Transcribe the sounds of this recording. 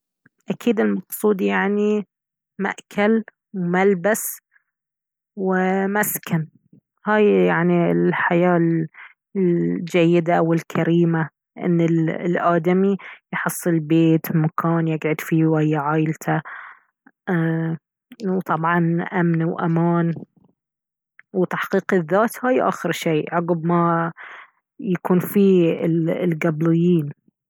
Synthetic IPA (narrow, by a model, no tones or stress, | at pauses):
ʔakiːd̪ɪlmɑqsˤuːd̪jaʕni | ma̰ʔkʰal | wmalbas | wɪmaskan | haːjjaʕniɪlħajaː | d͡ʒajːɪd̪aʔawɪlkʰaɾiːma | ʔɪ̰nːɪlʔaːd̪amijħɨsˤːɨlbeːt̪makʰaːnjɪɡʕʊd̪fiwajːaʕaːjɪlt̪ʰa | wt̪ˤɑbʕɑnʔamnwʔa̰maːn | wt̪aħqiːqɪðːaːt̪haːjʔa̰ːxɪɾʃeːʔʕʊɡbma | jakuːnfiːɪllɡablɪjːiːn